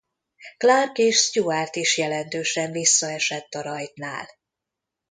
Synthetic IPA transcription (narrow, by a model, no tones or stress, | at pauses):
klarkeːʃst̪uart̪iʃjɛlɛnt̪øːʃɛɱvisːɒɛʃɛt̪ːɒɾɒjt̪na̰ːl